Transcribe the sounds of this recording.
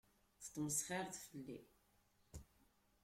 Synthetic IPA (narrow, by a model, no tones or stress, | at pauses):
θə̥t̪ˤːməsχiɾθfəlːi